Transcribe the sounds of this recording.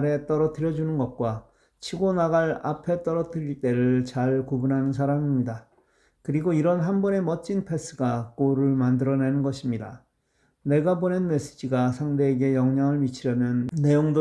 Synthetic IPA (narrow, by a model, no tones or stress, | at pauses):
ɾe̞t͈ʌɾʌtʰɯɾjʌd͡ʑunɯnɡʌt̚k͈wa | t͡ɕʰiɡonaɣaɭa̰pʰe̞t͈ʌɾʌtʰɯɾiɭt͈e̞ɾɯɭt͡ɕaɭkubunɦanɯnsʰaɾamimɲida | kɯɾiɡoiɾʌnɦanbʌne̞mʌt͡ɕ͈inpʰe̞s͈ɯɡak͈oɾɯɭmandɯɾʌne̞nɯnɡʌɕʰimɲida | ne̞ɡabone̞nme̞s͈ɯ̥d͡ʑiɡasʰaŋde̞ːɡe̞jʌŋɲaŋɯɭmit͡ɕʰiɾjʌmjʌnːe̞joŋdo